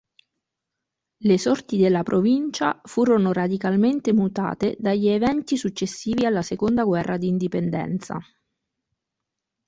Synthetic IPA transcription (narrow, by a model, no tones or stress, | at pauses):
lesɔrt̪id̪elːapɾʔovint͡ʃafuːɾonorad̪ikalment̪emut̪a̰ːt̪ed̪aʎːievɛnt̪isut͡ʃːesːiːvialːasekond̪aɡwɛrːʔad̪iːnd̪ipend̪ɛ̰nt̪sa̰